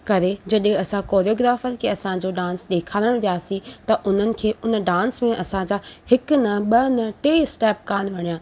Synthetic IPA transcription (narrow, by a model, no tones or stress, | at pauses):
kɐɾed͡ʑɐɗɦẽɐsãkoːɾioːɡɾaːfəɾkʰeːɐsãd͡ʑoɖãːnsɗeːkʰaːləɽ̃ʋijaːsĩt̪ɐʔʊn̤ənɪ̆kʰeːʊnə̆ɖãːnsmẽʔɐsãd͡ʑaːhɪkʊnɐɓɐnɐʈeːɪsʈɛːp̚kaːn̆ʋɐɽ̃ijãː